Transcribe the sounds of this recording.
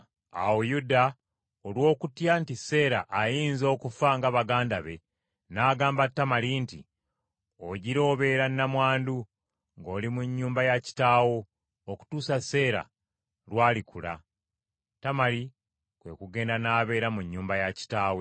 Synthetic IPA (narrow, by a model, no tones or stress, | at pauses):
a̰wojuda | olwo̞ːkutjantise̞ːɾaʔːjiːnzo̞ːkufaŋɡaβaɡaːndaβe̞ | naːɡaːmbatːamalintḭ | oɟiɾo̞ːβe̞ːɾanːamwaːndu | ŋɡo̞ːlimuɲːuːmbajaci̥taːwo̞ː | ku̥tuːsase̞ːɾa̰ | lwaːlikula̰ | tamaɾi | kwe̞̰kuɡe̞ːndanaːβe̞ːɾamuɲːuːmbajaci̥taːwe